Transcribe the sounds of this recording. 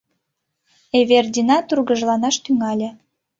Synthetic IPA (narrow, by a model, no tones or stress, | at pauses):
eβerd̪ʲinɑt̪urɣəʒlɑnɑʃt̪yŋɑlʲĕ